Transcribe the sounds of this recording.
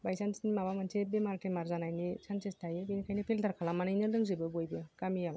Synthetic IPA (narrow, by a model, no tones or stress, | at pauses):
bajsansinimabamansʰebemaɾtʰemaɾzanajnisʰansestʰajebenikʰajnɯpʰeldaɾkʰalamanɯjnɯlɯŋzɯbɯbojbɯkamijam